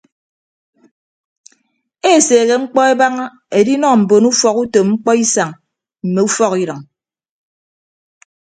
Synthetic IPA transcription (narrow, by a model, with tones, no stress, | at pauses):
e˦˨seː˨ɣe˨ŋ͡m̩˦k͡pɔ˦e˦ba˦ŋa˦ | e˨di˦nɔ˦˨m̩˨bo˨nu˦fɔ˨ku˦to˨mŋ͡m̩˦k͡pɔ˦i˦sa˨ŋ | m̩˨me˨u˦fɔ˦ki˦ɾɔ˨ŋ